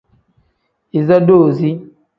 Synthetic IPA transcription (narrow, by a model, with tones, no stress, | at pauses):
i˨zɔ˦doː˦˨zi˦